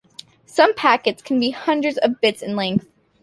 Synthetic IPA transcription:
sʌ̃mpʰækɨtskʰn̩bihʌ̃ndɹɨdzʌvbɪtsɨ̃nlɛ̃ŋkθ

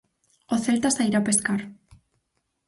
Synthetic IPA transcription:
oθe̞lt̪asaiɾape̞skaɾ

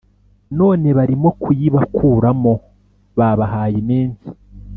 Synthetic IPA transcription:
no̞ːne̞βaɾimo̞kujiβakʰuːɾamo̞ | βaβaɦaːjeneːnzi̥

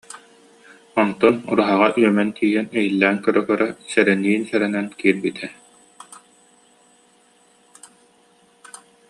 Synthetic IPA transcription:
ɔnt̪ɔnṵɾuɦaʁaʔyœmɛnt̪ʰiːjɛnɛjilːæːŋkœɾœkœɾɛsɛɾɛniːnsɛɾɛnɛnkiːɾbit̪ʰɛ

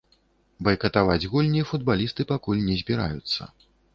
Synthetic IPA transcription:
bɐjkɐt̪avad͡zʲɣulʲnʲifud̪̚balʲist̪ɨpakulʲnʲɛzʲbʲiɾa̰jut̪sːɐ̰

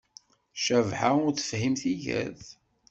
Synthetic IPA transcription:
ʃəvħaʊɾθə̥fhimθiʝæ̰ð

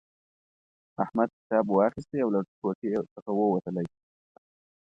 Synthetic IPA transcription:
ahmad̪̚kɪ̥t̪ɑbwɑxɪst̪eawlakoʈesəxawəwat̪əlaj

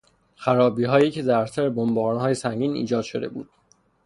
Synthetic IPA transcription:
xæɾɒːbiːɦɒːjiːcʰe̞zæɾsæɾebombɒːɾnhɒːje̞sæŋɟiːnḭːd͡ʒɒːd̪̥ʃod̪e̞bṵːd̪̥̚

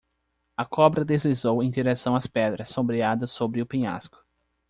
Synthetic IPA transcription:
ɐkʰɔbɾɐd̪ezlizowẽj̃d̪iɾesɐ̃w̃ɐspɛd̪ɾɐsːõmbɾiad̪ɐsobɾɪʊpĩɲa̰skʊ̥

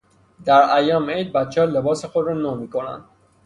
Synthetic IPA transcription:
d̪æɾæjɒːmejd̪̚bæt̪t͡ʃʰehɒːle̞bɒːsexod̪ɾɒːnoːmiːkʰonæ̰nd̪̥

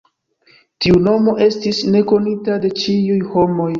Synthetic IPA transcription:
tiuno̞mo̞ʔe̞stisne̞ko̞nitade̞t͡ʃiujho̞mo̞j

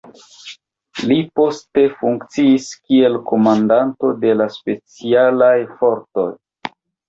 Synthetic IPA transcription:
lipo̞ste̞fuŋkt͡siːskie̞lko̞mandanto̞de̞laspe̞t͡sialajfo̞ɾto̞̰j

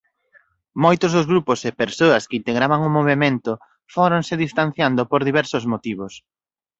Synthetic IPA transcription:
mojt̪ʊzðʊzɣɾupʊsepeɾsoɐskɪint̪eɣɾaβaŋʊmoβemẽnt̪ʊ | foɾoŋsɪðist̪an̟θjand̪opoɾðiβɛɾsʊzmot̪iβ̞ʊs

